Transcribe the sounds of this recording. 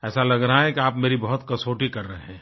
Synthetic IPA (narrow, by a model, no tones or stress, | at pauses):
ɛːsalɐɡɾɐɦaɦɛ̃kiaːpmeːɾibɐɦʊt̪kɐsoːʈikɐɾːɐɦeɦɛ̃ː